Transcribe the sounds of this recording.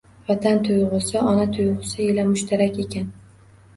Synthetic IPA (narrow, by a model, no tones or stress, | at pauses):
vat̪ʰant̪ʰʊjʁʊsɪɒnat̪ʰʊjʁɨsɪelamʊʃt̪ʰaɾakʲe̞kʲʰan